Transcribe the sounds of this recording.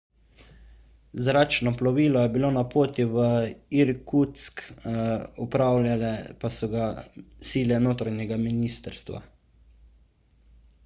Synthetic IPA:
zɾaːt͡ʃnɔplɔʋiːlɔjɛbiloːnapoːt̪iʋəiɾkut̪sk | upɾaːwlalɛpasɔɡasiːlɛnoːt̪ɾaɲɛɡaminiːst̪əɾst̪ʋa̰

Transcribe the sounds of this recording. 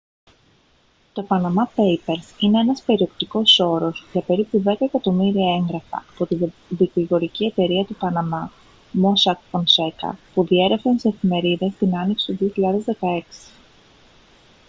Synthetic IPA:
t̪o̞pɐnɐmɐpe̞jpe̞ɾsine̞enɐspe̞ɾio̞pt̪iko̞so̞ɾo̞sʝɐpe̞ɾipuðe̞kɐekɐt̪o̞miɾiɐe̞ŋɡɾɐfɐ̰ːpo̞t̪ivikliɣo̞ɾicie̞t̪e̞ɾiɐt̪upɐnɐmɐ | mo̞sɐkponse̞kɐ̰puðie̞ɾefenseefime̞ɾiðe̞st̪inɐniksi̥t̪uðio̞çiʎɐðe̞zðe̞kɐe̞ksi̥

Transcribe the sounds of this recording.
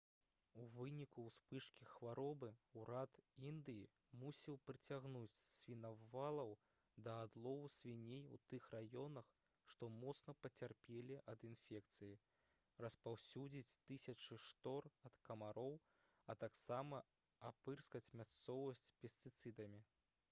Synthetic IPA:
uvɨnʲikuspɨʂkʲixvaɾɔbɨuɾat̪ind̪ɨji | musʲiwpɾɨt͡sʲaɣnut͡sʲsʲvʲinɐvalˠɐw | d̪ɐːd̪lˠɔvusʲvʲinʲejṵt̪ɨxrajɔnɐx | ʂt̪ɔmɔt̪snɐpɐt͡sʲarpʲelʲiʔɐd̪infʲɛk̚t̪sɨji | rɐspawsʲud͡zʲit͡sʲt̪ɨsʲɐt͡ʂɨʂt̪ɔrɐt̪kɐmaɾɔw | ɐt̪aksamɐ | apɨrskɐt͡sʲmʲast̪sɔvɐsʲt͡sʲpʲɛsʲt̪ɨt̪sɨd̪ɐmʲi

